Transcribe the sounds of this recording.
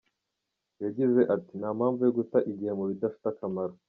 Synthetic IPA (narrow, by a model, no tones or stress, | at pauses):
jaɟize̞ʔatinaːmhaːɱvujoɡutaʔiɟihe̞muβidafi̥takamaɾo